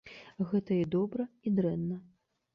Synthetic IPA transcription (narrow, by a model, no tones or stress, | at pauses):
ɣɛt̪ɐid̪ɔbɾɐid̪ɾɛnːɐ